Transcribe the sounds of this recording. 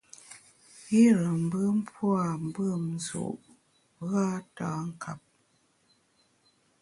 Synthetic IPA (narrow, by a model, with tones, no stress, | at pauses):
i˦ɾə˨m̩˨bə˦m̩˦pwa˨m̩˨bə˦˨m̩˨˦zṵ˨ʔ | ɣa˦taː˨˦ŋ̩˨kʰa˨p̚